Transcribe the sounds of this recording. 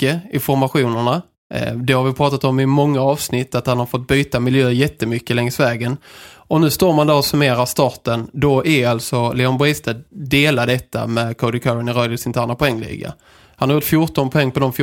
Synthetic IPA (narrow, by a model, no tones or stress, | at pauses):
kːəɪnfɔɾmaɧuːnəɳa | d̪ɛhaɾvɪpʰɾɑːt̪at̪ɔmɪmɔŋːaɑːvsnɪt̪ːat̪hanhaɾfɔt̪̚byːt̪amɪljøːəɾjɛt̪ːəmʏkːəlɛŋsvɛːɡənɔnʉ̟ːst̪oːɾmand̪æɾɔsɵmeːɾaʂt̪ɑːʈənd̪ɔʔæɾalt̪sɔlɛːɔnbɾɪst̪əd̪eːlad̪ɛt̪ːa̰mɛkʰɔd̪ɪkʰaɾɪnɪɾœːlɪsɪnt̪ʰæːɳapʰɔɛŋːlḭːɡa̰ | hanhaɾjʊːʈtfjʊʈɔnpʰɔɛŋːpʰɔd̪ɔmf